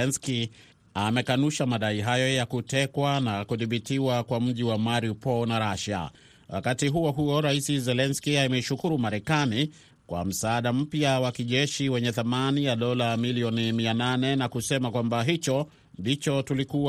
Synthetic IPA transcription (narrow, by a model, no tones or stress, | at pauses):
ɛnski | amɛkanuʃamaɗaiɦajɔjakutɛkwanakuðiɓitiwakwam̩ʄiwamaɾiupɔnaɾaʃa̰ | wʔa̰katiɦuɔɦuɔɾaisizɛlɛnskiamɛiʃukuɾumaɾɛkani | kwa̰m̩saːɗam̩pjawakiʄɛʃiwɛɲɛθamanijaɗɔlamiliɔnimiananɛnakusɛmakwambaɦit͡ʃɔ | ndit͡ʃɔtuliku